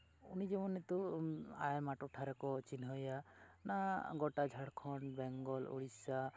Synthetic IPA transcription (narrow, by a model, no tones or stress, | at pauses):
unid͡ʒɛmɔnet̪uajmaʈuʈʰaɾɛkɔt͡ʃinɦɔjanaɡɔʈad͡ʒʱaɽkʰɔnbɛŋɡɔlo̰ɽisa